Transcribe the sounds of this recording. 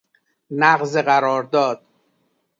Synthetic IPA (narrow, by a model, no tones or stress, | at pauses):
næɣzeɣæɾɒːɾd̪ɒːd̪̥̚